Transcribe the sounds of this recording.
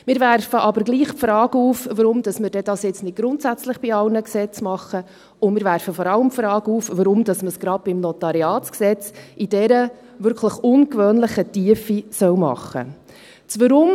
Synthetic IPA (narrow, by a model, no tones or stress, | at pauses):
mɪːɾʋæɾfəʔɑbəɾɡliːχpfɾɑːɡəuːfʋəɾʊmd̥ɑsməɾdɛdɑsjɪt͡snɪd̚ɡ̥ɾʊntsæt͡sləχb̥iɑlnəksɛt͡smɑχːə | ʊmɪːɾʋæɾfəfɔɾɑləmpfɾɑːɡuːfvəɾʊmd̥ɑsməsɡ̥ɾɑd̚b̥ɪmnɔtɑɾiɑːtt͡sksɛt͡sid̥ɛɾə | vʏɾkʰləχʊnkʋøːnləχətiəfisœwmɑ̰χːə̰ | t͡sʋəɾʊm